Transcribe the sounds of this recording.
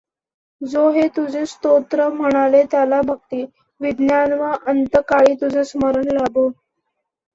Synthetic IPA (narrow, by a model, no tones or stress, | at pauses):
d͡zoɦet̪ud͡zʱest̪ot̪ɾəm̤əɽ̃alet̪jalabʱək̚t̪iː | ʋid̪njanʋaʔənt̪əkaɭiːt̪ud͡zʱesməɾəɳlabo